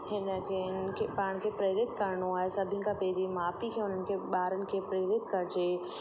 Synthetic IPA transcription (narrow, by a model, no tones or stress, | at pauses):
hɪnəkʰeɪnkʰepaːɪɽ̃kʰepɾeːɾɪt̪kɐɾɳoaːɦesɐbʱɪnɪ̆kʰãpɛɦɪɾimaːpikʰeʊn̤ənɪ̆kʰeɓaːɾənɪ̆kʰeːpɾeːɾɪt̪kɐɾd͡ʑeː